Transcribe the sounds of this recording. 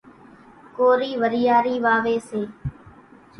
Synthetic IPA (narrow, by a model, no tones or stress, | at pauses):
koːɾiːʋəɾijaːɾiːʋaːʋeːseː